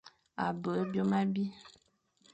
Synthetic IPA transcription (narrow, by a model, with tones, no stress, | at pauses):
a̰˨bə˨e˦bjo˦mã˦bi˦